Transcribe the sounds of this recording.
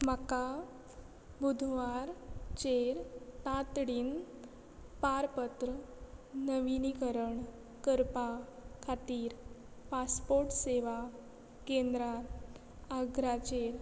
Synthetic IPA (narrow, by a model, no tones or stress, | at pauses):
maka | bud̪ʱʋaɾt͡ɕeɾt̪at̪ɽiːn | paɾpət̪ɾənəʋinikəɾəɳ | kəɾpakʰat̪iːɾ | paspoɾʈseʋa | kẽnd̪ɾa | aɡɾat͡ɕeɾ